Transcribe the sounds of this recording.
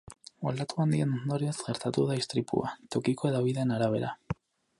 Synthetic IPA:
old̪at̪uand̪ienond̪oɾiezɣe̞ɾt̪at̪uðaist̪ɾipṵa̰t̪o̞kikoeðaβiðaenaɾaβ̞e̞̰ɾa

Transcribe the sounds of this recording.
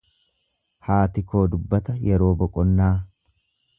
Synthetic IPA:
haːt̪ɪko̞ːd̪ʊbːɐt̪ɐjɛɾo̞ːbɔkʼɔnːaː

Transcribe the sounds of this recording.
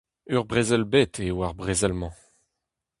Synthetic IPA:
yʁbʁezɛlbet̪ʰewaʁbʁezɛlmɑ̃

